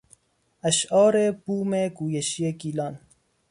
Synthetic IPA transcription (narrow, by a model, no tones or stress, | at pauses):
aʃɑːɾebuːmeɡuːjeʃijekiːlɑn